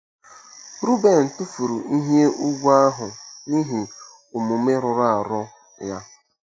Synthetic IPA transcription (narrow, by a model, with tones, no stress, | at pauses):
ɾu˦be˨n̩˨tu˦fu˨ɾu˨i˦ɦje˦u˦ɡʷu˦a˦ɦʊ˨ni˦ɦi˨ | ʊ˨mu˨me˦ɾʊ˨ɾa˦˨a˨ɾʊ˦ | ja˦